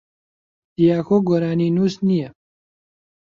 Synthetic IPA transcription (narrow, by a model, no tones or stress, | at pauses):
d̪̥ijaːxoːɡoːɾaːniːnuːsnijɛ